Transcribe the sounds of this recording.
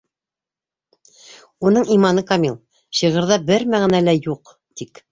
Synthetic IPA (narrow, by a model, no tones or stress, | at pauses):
un̪ɤɴimɑnɤkamilˠ | ɕɤʁɤ̆ɾðɑbɘɾmæʁæ̆nælæjuq | t̪ik